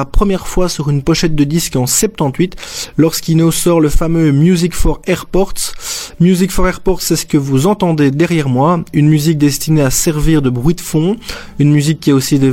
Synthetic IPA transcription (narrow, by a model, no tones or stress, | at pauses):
apχəmjɛʁfwasyʁynpɔʃɛt̪̚d̪əd̪iskɑ̃sɛp̚t̪ɑ̃t̪ɥit̪lɔʁskinosɔʁləfamømjuzikfɔʁɛʁpɔʁt̪mjuzikfɔʁɛʁpɔʁt̪sɛsə̥kəvuzɑ̃t̪ɑ̃d̪ed̪ɛʁjɛʁmwaynmyzik̚d̪ɛst̪ineasɛʁviʁd̪əbʁɥid̪əfɔ̃ | ynmyzikʲːiɛosid̪e